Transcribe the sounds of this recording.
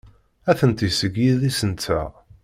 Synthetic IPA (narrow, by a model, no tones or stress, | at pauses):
æθənt̪isəɡiðisənt͡s̪ʰːæ̰